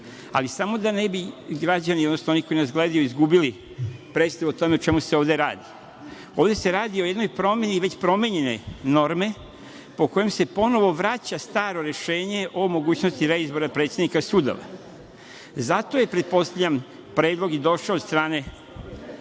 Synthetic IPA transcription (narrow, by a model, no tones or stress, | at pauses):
a̰lisamo̞d̪ane̞biɡɾad͡ʑaniod̪nosnooniko̞inazɡleːd̪ajuizɡubili | pɾe̞t̪st̪aʋot̪o̞meot͡ʃe̞muse̞o̞ːʋd̪e̞ɾa̰ːd̪i | o̞ːʋd̪e̞se̞ɾaːd̪iojed̪nojpɾo̞meniʋe̞t͡ɕpɾo̞meɲe̞ne̞no̞ɾme̞ | po̞ko̞jemse̞po̞no̞ʋo̞ʋɾat͡ɕast̪aːɾo̞ɾe̞ʃe̞ːɲe̞ʔo̞mo̞ɡuːt͡ɕnost̪iɾeizbo̞ɾapɾe̞t̪sjed̪nikasuːd̪o̰ʋa̰ | zat̪o̞je̞pɾe̞t̪̚po̞st̪aʎam | pɾe̞ːd̪lˠo̞ɡid̪o̞ʃaot̪st̪ɾaːne̞